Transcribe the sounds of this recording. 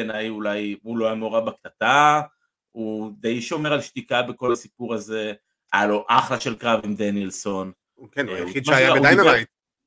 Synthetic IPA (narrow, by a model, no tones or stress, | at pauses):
enajulajulo̞amoʁabaktat̪a | ud̪e̞jʃo̞me̞ʁalʃt̪ikabeko̞lasipuʁaze̞ | aloʔaχlaʃelkʁavimd̪enielson | kenajeid̪maaʃjaadajnaajt